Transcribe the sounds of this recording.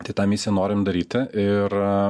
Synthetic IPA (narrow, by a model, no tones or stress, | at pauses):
t̪ɐɪt̪ɑːmʲɪsʲɪjɛnoːɾʲɪmd̪ɐɾʲiːt̪ʲɪɪɾ